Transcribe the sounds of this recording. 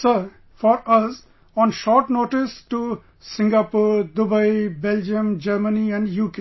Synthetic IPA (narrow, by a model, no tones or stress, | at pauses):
səɾ | fɔɾʌz | ɔ̃ːnʃɔːɾʈnoːʈɪsʈu | sɪ̃ŋɡaːpoːɾd̪ʊbaɪbɛld͡ʒə̃md͡ʒəɾməniɛ̃ɳɖjuːke